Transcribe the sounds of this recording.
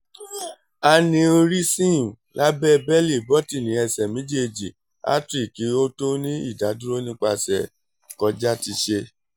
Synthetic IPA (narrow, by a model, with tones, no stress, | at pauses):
a˧nĩ˧ɾi˦sĩ˦˨la˦bɛ˦˧bɛ˦li˦˨bɔ˦ti˦˨nĩ˨˦ɛ˧sɛ˨mĩ˨˦d͡ʒe˦˨d͡ʒi˨ | a̰˦tɾi˦˨ki˨˦o˦to˦nĩ˦ḭ˦˨da˨˦du˦ɾo˦nĩ˦k͡pa˧sɛ˨ | kɔ˧d͡ʒa˦ti˧ʃe˧